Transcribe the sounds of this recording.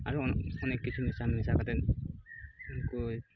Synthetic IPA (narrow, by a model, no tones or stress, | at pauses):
aɹuɔɔnekːit͡ʃʰumisamisakat̪ɛ | ku